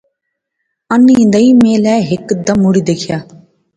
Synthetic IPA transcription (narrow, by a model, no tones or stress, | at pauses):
ɐnːĩːnd̪ɐĩmeːlɛːɦekːd̪ɐmuɽid̪eːkʰjaː